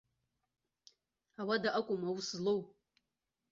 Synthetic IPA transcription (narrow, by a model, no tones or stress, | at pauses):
awadaʔakʷʼʊmawuszlow